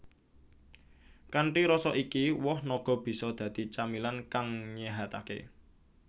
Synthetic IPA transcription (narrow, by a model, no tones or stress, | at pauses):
kaɳʈiɾɔsɔʔikiwɔhnɔɡ̥ɔ̤b̥i̤sɔd̪̥ä̤d̪̥i̤t͡ʃamilankaŋɲeɦat̪akḛ